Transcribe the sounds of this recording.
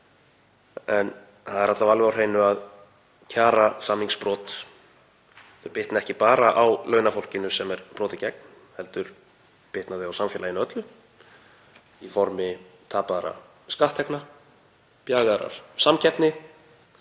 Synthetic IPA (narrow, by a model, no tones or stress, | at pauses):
ɛn | θaðɛɾat̪lavalvɪawr̥eːjnʏað | cʰaːɾasamːiŋspɾɔːt̪ | t̪ʏpɪht̪naɛhcɪpaːɾaʔawlœːɥnafowl̥cɪnʏsɛmɛɾ̥pɾɔːt̪ɪcɛk̚n | hɛlt̪ʏɾ̥ | pɪht̪naðɪawsamfjɛːlajɪnœt̪lʏ | ifɔɾmɪt̪ʰaːpaðaɾa̰ | skaht̪ʰːɛkna | pjaːɣaɾa̰ɾ̥samcʰɛt̪nɪ